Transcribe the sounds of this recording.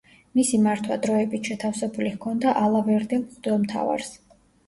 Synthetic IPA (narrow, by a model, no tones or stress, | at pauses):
misimaɾt̪ʰwad̪ɾɔɛbit̪ʰʃɛt̪ʰafsɛbulikʰɔnd̪aʔalˠavɛɾd̪ɛlχd̪ɔlˠmt̪ʰa̰va̰ɾs